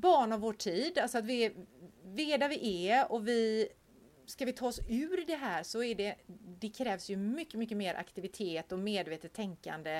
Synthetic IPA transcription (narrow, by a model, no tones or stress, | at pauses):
bɑːɳavːoːʈʰiːd̪alsɔat̪vɪ | vɪɛːd̪avɪʔɛɔvɪ | skavɪt̪ʰɑːɔsʉ̟ːɾd̪ɛɦæːɾsɔæɖɛd̪ɛkʰɾɛːvsjɵmʏkːəmʏkːəmeːɾʔa̰kt̪ɪvɪt̪ʰeːt̪ɔmeːd̪veːt̪ət̪ʰːɛŋka̰nd̪ə